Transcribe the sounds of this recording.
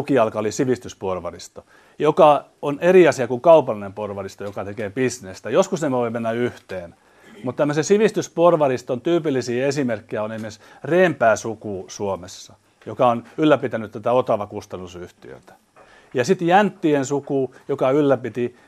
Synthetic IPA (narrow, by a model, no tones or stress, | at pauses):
ukiɑlkɑolisiʋist̪ysporʋɑrist̪o | jokɑoneriɑsiɑkuŋkɑupɑlːinemporʋɑrist̪ojokɑt̪ekeːpisnest̪æjoskusnemʋoimenːæyht̪eːn | mut̪t̪æmːøsesiʋist̪ysporʋɑrist̪ont̪yːpilːisiːesimerkːiæoneimes | reːmpæːsukuːsuomesːɑ | jokɑonylːæpit̪ænyt̪t̪æt̪æot̪ɑʋɑkust̪ɑnːusyht̪iø̰ˑt̪æ̥ | jɑsit̪jænt̪ːiensukuːjokɑylːæpit̪i